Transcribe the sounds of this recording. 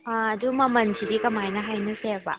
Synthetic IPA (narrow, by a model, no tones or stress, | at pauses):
aɐdumɐmɐnsʰidikɐmajnɐɦajnɯseba̰